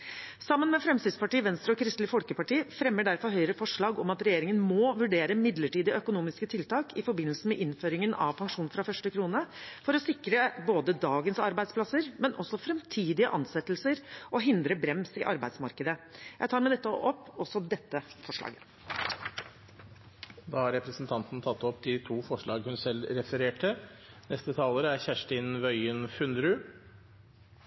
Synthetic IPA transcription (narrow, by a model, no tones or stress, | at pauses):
sɑmːənmɛfɾɛmst̪ɪd̪spɑʈiːʋɛnst̪ɾəɔkʰɾɪst̪lɪfɔlkəpɑʈiːəfɾɛmːəɖæɾfɔɾɦœʏɾəfɔʂɭɑːɡɔmɑt̪ɾɛjeːɾɪŋənmɔʋʉɖeːɾəmɪd̪ləʈiːd̪ɪœkʊnuːmɪskət̪ʰɪlt̪ɑːkʰɪfɔɾbɪnəlsəmɛʔɪnføːɾɪŋənɑ̰ʋpʰɑŋʂuːnfɾɑfœʂʈəkʰɾuːnəfɔɾɔsɪkɾəboːd̪əd̪ɑːɡənsɑɾbæɪd̪spʰlɑsəɾmɛnʔɔsːɔfɾɛmt̪ʰiːd̪ɪəʔɑ̰nsɛt̪ːlsəɾʔɔɦɪnd̪ɾəbɾɛmsɪʔɑɾbæɪd̪smɑɾkəd̪əjæɪɑːɾmæɪd̪ɛt̪ːəʔɔpːɔsːɔd̪ɛt̪ːəfɔʂɭɑ̰ːɡə | d̪ɑːhɑɾɛpɾəsn̩t̪ʰɑnt̪n̩t̪ʰɑt̪ːɔpd̪ɪt̪ʰuːfɔʂɭɑːɡhʉnsɛlɾɛfəɾeːʈənɛst̪ət̪ʰɑːləɾəæɾçæʂʈɪnʋœʏənfʉnd̪ɾʉ